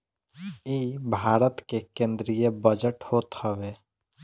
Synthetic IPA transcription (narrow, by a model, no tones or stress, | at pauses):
iːbʱaːɾət̪kekẽnd̪ɾijebəd͡ʒəʈhoːt̪həʋeː